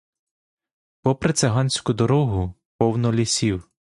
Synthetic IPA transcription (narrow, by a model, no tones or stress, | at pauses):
pɔpɾet̪sɛɦɑnʲsʲkʊd̪ɔɾɔɦʊ | pɔwnɔlʲisʲiw